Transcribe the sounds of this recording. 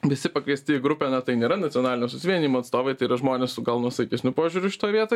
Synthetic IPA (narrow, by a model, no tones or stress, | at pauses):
ʋʲɪsʲɪpɐkʋʲiɛsʲt̪ʲɪɪɡɾʊpʲenɐt̪ɐɪnʲeːɾɐnɐtt͡sʲɔnɑːlʲɪnʲoːsʊsʲɪʋʲiɛnʲiːmoːɐt̪st̪oːʋɐɪt̪ɐɪiɾɐʒmoːnʲeːssʊɡɐlˠnuɔsɐɪkʲɪsʲnʲʊpoːʒʲʊɾʲʊʃʲɪ̥t̪oːjʋʲiɛt̪oː